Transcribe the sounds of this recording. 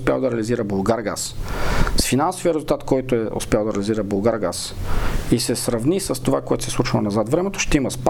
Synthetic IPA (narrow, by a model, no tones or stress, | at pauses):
spʲja̰lˠd̪ɐɾɛːliziɾəbulˠɡaɾɡa̰ssfinansoviəɾɛzʊlˠt̪at̪kɔjt̪oɛʔʊ̰spʲjalˠd̪ɐɾɛːliziɾəbulˠɡaɾɡasisɛsɾɐvnʲisəst̪ovakoɛt̪o̥sɛslˠut͡ʃilˠonɐzat̪vɾɛmɛt̪o̥ʃt̪ɛimɐsp